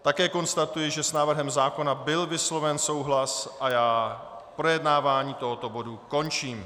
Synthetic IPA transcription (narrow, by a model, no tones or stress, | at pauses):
t̪akɛːko̞nst̪at̪ujɪʒɛsnaːvr̩ɦɛmzaːko̞nabɪlvɪslo̞vɛnso̞wɦlasʔajaː | pɾo̞jɛdnaːvaːɲiːt̪o̞ɦo̞t̪o̞bo̞duko̞nt͡ʃiːm